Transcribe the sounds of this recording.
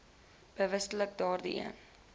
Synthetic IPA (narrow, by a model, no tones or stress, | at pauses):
b̥əvəsələk̚dɑːrdḭʔḭən